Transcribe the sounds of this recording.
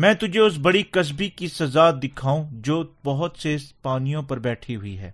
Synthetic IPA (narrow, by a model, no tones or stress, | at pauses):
mɛ̃ːt̪ʊd͡ʒʱeʊs̬bɐɽikɐs̬bikisɐzaːt̪̚d̪ɪkʰaːũd͡ʒoːbɐɦʊt̪sespaːnijõpɐɾbɛːʈʰiɦʊiɦɛ̰ː